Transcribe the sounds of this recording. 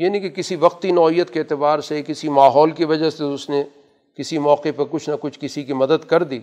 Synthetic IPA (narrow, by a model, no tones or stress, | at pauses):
jaːnĩkekɪsiʋɐq̚t̪inɔːɦijət̪keːt̪ɪbaːɾsekɪsimaːɦɔːlkiʋɐd͡ʒaseʊsne | kɪsimɔːqepɐɾkʊt͡ʃʰnɐkʊt͡ʃʰkɪsikimɐd̪əd̪kɐɾd̪iː